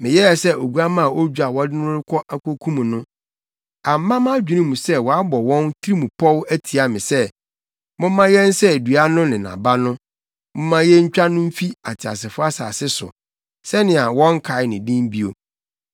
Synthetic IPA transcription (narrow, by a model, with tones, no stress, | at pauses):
mɪ̃˨jɛ˦ɛ˨sɛ˦o˨ɡu˦a˦mã˦˨ʔo˦d͡ʑᶣu˦a˨wɔ˦dɪ˦n˦ʊ̃˦ɾɪ˦kʰɔ˦ʔa˦kʰo˦kʰũ˦mũ˨nʊ̃˦ | a˨m̩˦mã˦mã˦d͡ʑᶣi˨nĩ˦mũ˨sɛ˦wɔ˨a˦bɔ˨wɔ̃˦ntʰi˦ɾi˦mũ˨pʰɔ˦wæ˦tʰi˨a˨mɪ̰̃˨sɛ˦ | mʊ̃˦mːã˦jɛ˦n˦sɛ˦˨du˨a˦nʊ̃˦nɪ̃˨nã̰˨ba˦nʊ̃˦ | mʊ̃˦mã˦jɛ˦ɲ̩˦t͡ɕᶣa˦nʊ̃˦m̩˦fi˦a˨tʰɪ˨a̰˨sɪ˨fʊ˦a˦sa̰ː˨sɪ˦sʊ̰˨ | sɛ˦nɪ̃˨a˨wɔ̃˦ŋ˦kʰa˨ɪ˦nɪ̃˨dĩ˦m˦bi˦o˨